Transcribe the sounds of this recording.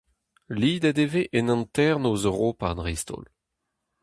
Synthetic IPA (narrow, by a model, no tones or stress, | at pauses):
liːd̪ad̪eveʔɛnɑ̃nt̪ɛʁnozʁopanʁist̪o̰l